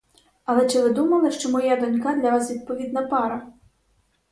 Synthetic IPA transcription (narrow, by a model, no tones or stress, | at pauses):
ɐlˠɛt͡ʃɪʋɪd̪umɐlˠɪʃt͡ʃɔmɔjad̪ɔnʲkad̪lʲɐʋasʋʲid̪̚pɔʋʲid̪̚nɐpɑɾɐ